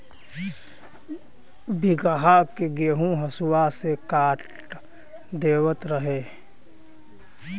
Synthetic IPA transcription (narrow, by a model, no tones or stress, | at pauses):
bɪɡaɦakeɡeɦũɦəsʊwasekaːʈ | d̪eːwət̪ɾəɦeː